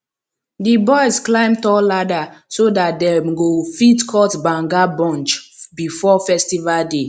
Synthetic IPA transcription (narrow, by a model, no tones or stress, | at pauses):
dibɔjzklãɪ̃mtɔladasodat̚dɛ̃mɡofitkʰɔtbãŋɡabɔ̃nt͡ʃbifɔfɛstivalde